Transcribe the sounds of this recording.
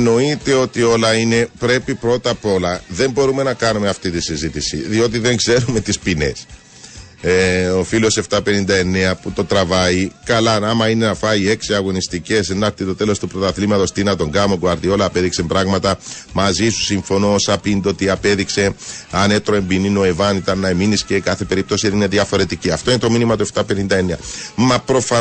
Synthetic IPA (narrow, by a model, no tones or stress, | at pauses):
no̞it̪e̞o̞t̪io̞lɐine̞pɾe̞pipɾo̞t̪ɐpo̞lɐðe̞mbo̞ɾume̞nɐkɐnumeɐft̪it̪isizit̪isiðiot̪̬iðe̞ŋɡse̞ɾume̞t̪ispine̞̰s | eo̞filo̞se̞ft̪ɐpe̞nind̪ɐe̞ne̞ɐput̪o̞t̪ɾɐvɐikɐlɐɐmɐine̞nɐfɐie̞ksiɐɣo̞nist̪ice̞senɐɾt̪it̪ot̪e̞lo̞st̪upɾot̪ɐθlimɐt̪ost̪inɐt̪o̞ŋɡɐmoɡoɐɾt̪io̞lɐːpe̞ðiksembɾɐɣmɐt̪ɐ | mɐzisu̥siɱfo̞noosɐpind̪ot̪iɐpe̞ðikse̞ɐne̞t̪ɾoe̞mbinino̞ivɐnit̪ɐnːɐeminiscekɐθe̞pe̞ɾip̚t̪o̞sinine̞ðjɐfo̞ɾe̞t̪iciɐft̪o̞inet̪o̞minimɐt̪ue̞ft̪ɐpe̞nind̪ɐe̞neɐmɐpɾo̞fɐ